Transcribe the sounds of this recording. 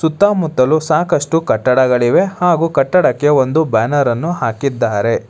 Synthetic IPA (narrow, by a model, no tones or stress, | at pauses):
sut̪ːaːmut̪ːɐlusaːkɐʂʈukɐʈːɐɽɐɡɐɭiʋe̞haːɡuːkɐʈːɐɽɐkːe̞o̞nd̪ubaːnɐɾɐnːuhaːkid̪ːaːɾe